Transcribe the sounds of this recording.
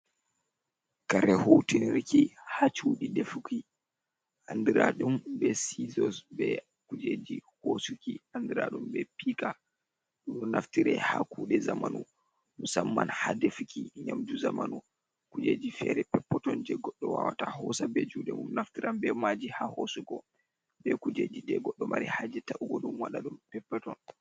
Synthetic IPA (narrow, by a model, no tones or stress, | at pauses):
kaɾɛhowtiniɾkihat͡ʃuɗidɛfuki | ʔandiɾaɗumbɛsizɔsbɛ | kud͡ʒeːd͡ʒihosukiandiɾaɗumbɛpika | ɗunɔnaftiɾɛhakuːɗɛzamanu | musamːanhadefikiɲamd͡ʒuzamanu | kud͡ʒed͡ʒifɛːɾɛpɛpːɔtɔnd͡ʒɛɡɔɗːɔwawataɦɔsabɛd͡ʒuːɗɛmumnaftiɾambɛmad͡ʒihahosuɡɔ | bɛkud͡ʒed͡ʒidɛɡɔɗːɔmaɾihad͡ʒɛtaʔuɡɔɗumwaɗaɗumpɛpːɔtɔn